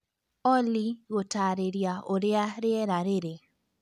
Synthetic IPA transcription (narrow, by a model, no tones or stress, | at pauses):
ɔliɣotaɾeɾjaoɾɪaɾɪɛɾaɾeɾe